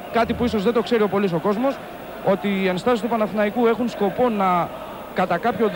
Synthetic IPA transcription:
kɐt̪ipuiso̞zðe̞d̪o̞kse̞ɾiopo̞lis̬o̞ko̞zmo̞s | o̞t̪iːɐnist̪ɐsist̪upɐnɐθinɐikue̞xunsko̞po̞nɐ | kɐt̪ɐkɐpço̞

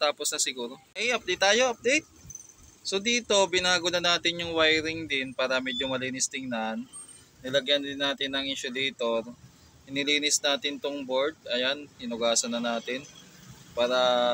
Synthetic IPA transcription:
t̪aːposnɐsɪɡuːɾo̞ʔɛjʔɐp̚d̪ejt̪ːaːjo̞ʔɐp̚d̪ejt̪̚ | sod̪iːt̪o̞bɪnaːɡʊnɐnaːt̪ɪnjʊŋwajɾɪŋd̪ɪnpaːɾɐmɛːd͡ʒomɐliːnɪst̪ɪŋnanː | ɪlɐɡjɐnd̪ɪnːaːt̪ɪnːɐŋʔɪnʃʊd̪ɛjt̪o̞ɾ | hɪnɪliːnɪsnaːt̪ɪnt̪oŋboɾd̪̚ʔɐjanɪnʊɡaːsɐnːɐnaːt̪ɪnpaːɾɐ

